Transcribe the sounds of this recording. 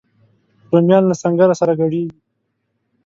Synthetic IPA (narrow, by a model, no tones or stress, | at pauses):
pɾomjɑnlasaŋɡaɾasaɾaɡaɽeɡi